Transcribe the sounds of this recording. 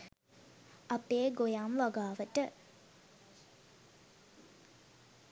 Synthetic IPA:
apeːɡojaːmʋaɡaːʋəʈə

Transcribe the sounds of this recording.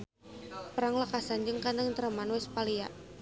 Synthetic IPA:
pəɾaŋləkasand͡ʒəŋkant̪əŋt̪əɾəmanwɛspalia̰ʔ

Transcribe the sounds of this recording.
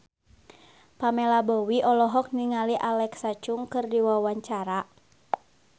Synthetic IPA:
pamɛlabɔwiʔɔlɔɦɔk̚niŋaliʔalɛksat͡ʃuŋkɨrdiwawaɲt͡ʃaɾa

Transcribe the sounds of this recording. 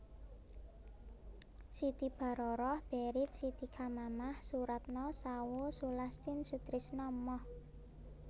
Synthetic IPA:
sit̪ib̥a̤ɾɔɾɔhb̥eɾɪt̪̚sit̪ikʰamamahsuɾat̪̚nɔsawosulast̪ɪnsut̪ɾɪsnɔmɔh

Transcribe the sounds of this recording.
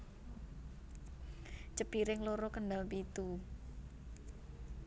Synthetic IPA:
t͡ʃəpiɾɪŋloɾɔkəndalpit̪u

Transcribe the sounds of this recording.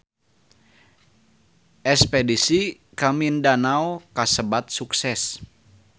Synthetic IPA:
ʔɛspɛdisi | kamindanawkasəbat̪̚suksɛs

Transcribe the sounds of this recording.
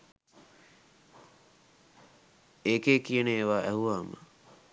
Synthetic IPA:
eːkeːkijəneeʋaːʔæɦuʋaːmə̰

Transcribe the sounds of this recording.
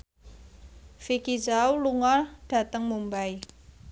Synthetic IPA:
fikizauluŋɔrɖ̥a̤t̪əŋmumbaj

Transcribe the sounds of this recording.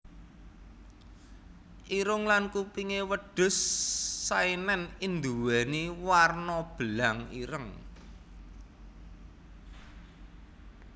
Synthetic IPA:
ʔiɾʊŋlankupiŋewəɖ̥ʊ̤sː | ainɛnind̪uwɛniwarnɔb̥əlaŋḭɾəŋ

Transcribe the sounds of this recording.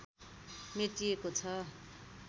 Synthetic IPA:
meʈijekot͡sʰʌ

